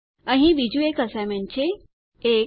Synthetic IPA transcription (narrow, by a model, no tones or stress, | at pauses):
ə̃ɦĩʋid͡ʑuekəsamẽnt͡ɕʰe | e